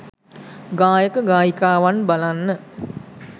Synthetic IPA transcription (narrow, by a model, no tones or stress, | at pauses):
ɡaːjəkəɡaːjikaːʋanbalanːə